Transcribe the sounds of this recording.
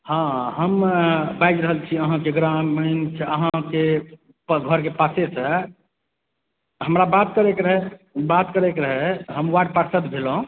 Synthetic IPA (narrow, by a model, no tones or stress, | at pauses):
hãɦəmbajd͡ʒɾəɦəlt͡ʃʰiəɦãkeɡɾamənt͡ʃʰəɦãke | pɡʱəɾkepasesə̃ | ɦəmɾabat̪̚kəɾekɾəɦɛbat̪kəɾekeɾəɦɛɦəmwaɖpaɾsət̪bʱelɦõ